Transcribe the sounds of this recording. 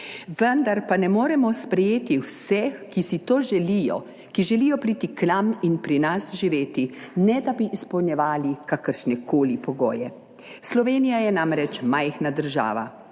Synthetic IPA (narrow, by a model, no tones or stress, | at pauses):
ʋənd̪aɾpanɛmoːɾɛmɔspɾɛjeːt̪iwsɛxkisit̪oːʒɛlijɔ̰ | kiʒɛliːjɔpɾiːt̪iknaminpɾinasʒiʋeːt̪inɛd̪abiʔːspɔwnjɛʋaːlikakəɾʃnɛkʰoːlipɔɡɔ̰ːjɛ | slɔʋeːnijajɛnamɾɛt͡ʃmajxnad̪əɾʒa̰ːʋa̰